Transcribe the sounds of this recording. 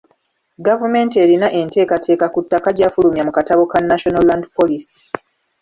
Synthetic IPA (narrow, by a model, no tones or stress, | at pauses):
ɡavume̞ːnte̞ɾinaʔe̞nte̞ːkatʰe̞ːkakutːakaɟaːfulumjamukataβo̞kanːaʃo̞nalːandipo̞lisi̥